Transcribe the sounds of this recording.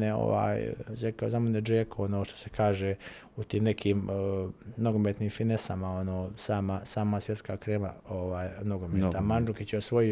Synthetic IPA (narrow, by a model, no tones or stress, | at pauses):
neo̰ʋa̰ːjzekaozamoned͡ʒeːkʰoonoːʃt̪ose̞̥kʰaːʒe | ut̪iːmnekʰiːm | no̞ɡomet̪niːmfinesamao̞noːsaːmasaːmasʋje̞t̪skakɾeːma̰oʋaːjnoɡomeːt̪amand͡ʒukit͡ɕeosʋo̞ji